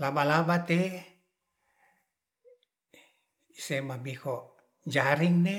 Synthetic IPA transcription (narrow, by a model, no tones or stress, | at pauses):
labalabat̪e | isemabikɔʔ | d͡ʒaɾiŋne